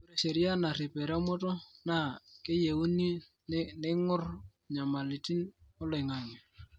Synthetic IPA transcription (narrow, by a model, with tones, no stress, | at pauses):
ku˦ɾe˨ʃe˨ɾi˦a˦na˨ri˨pʼɛ˨ɾɛ˦mʊ˦tʼɔ˦na˦˨kʼɪ˦je˨u˦ni˦ | nnɪ˦ŋʊ˦r | ɲa˨ma˨li˨tʼi˦nʊ˦lɛ˨ŋa˨ŋɛ˨